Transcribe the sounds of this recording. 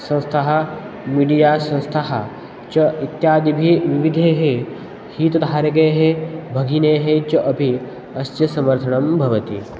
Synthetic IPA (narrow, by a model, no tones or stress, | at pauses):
sɐ̃w̃st̪ʰɐɦɐ̆miːɖijaːsɐ̃wst̪ʰɐɦɐ | t͡ʃɐit̪jaːd̪ibʱiʋiʋid̪ʱeːɦe | hiːt̪ɐd̪ʱaːɾɐɡeːɦebʱɐɡʱineːɦet͡ʃɐʔɐbʱi | ɐstjɐsɐmɐɾt̪ʰɐɳɐmbʱɐʋɐt̪ḭ